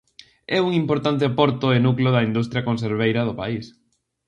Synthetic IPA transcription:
ɛuŋimpoɾt̪ant̪̬ɪapɔɾt̪ʊɪnukloðɐind̪ust̪ɾjakõns̬eɾβ̞ejɾɐðʊpa̰is

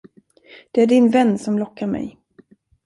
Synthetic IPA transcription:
d̪̥ɛæɖɪnvɛnːsɔmlɔkːaɾmɛ̰j

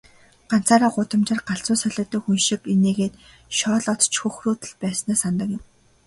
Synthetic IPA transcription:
ɢan̥t͡saːɾaːɢʊt̪ə̆mt͡ɕɪ̆rɢaɬt͡sʊːsœɮʲə̆ːt̪ə̆ːxunʃĭkineːɣeːt̪ | ʃɔːɮɔt̪t͡ɕxɵxruːt̪ə̆ɮpæːsnæːsant̪ə̆kjɪ̆m

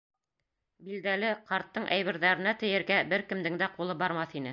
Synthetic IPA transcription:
bild̪ælɘqɑɾt̪ːɤɴʔæjβɘ̆ɾðæɾɘ̆næt̪ɘ̆jɘ̆ɾɡæbɘɾkɘ̆md̪ɘ̆ŋd̪æqulˠɤbɑɾmɑθinɘ

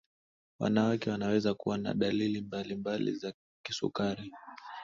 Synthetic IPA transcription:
wa̰nawakɛwanawɛzakuwana̰ɗalilimbalimbalḭza | kisṵkaɾi

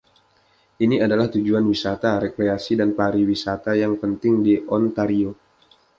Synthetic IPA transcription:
ʔiniadalaht̪ud͡ʒuanwisat̪aɾekɾeasidanpaɾiwisat̪ajaŋpənt̪ɪŋdiʔɔnt̪aɾio

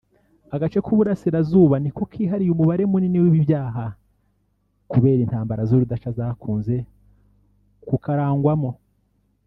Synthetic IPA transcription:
aɡat͡ʃe̞kʰuβuɾasiɾazuːβaniko̞kʰiːɦaɾijumuβaɾemuniniwiβiβjaːɦa | kuβe̞ːɾintaːmbaɾazoɾudat͡ʃazakʰuːnze̞ | kukaɾaːŋɡwamo̞

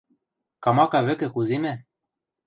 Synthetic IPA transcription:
kɑmɑkɑβɘ̆kɘ̆kuzimæ

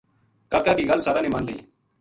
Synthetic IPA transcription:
kaːkaːkiːɡəlsaːɾãːneːmənleḭː

